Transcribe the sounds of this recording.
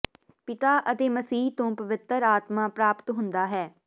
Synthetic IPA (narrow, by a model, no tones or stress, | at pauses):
pɪt̪aːʔət̪eːməsiːɦt̪õːpəʋɪt̪ːəɾaːt̪mãːpɾaːpt̪ɦʊ̃nd̪aːɦɛː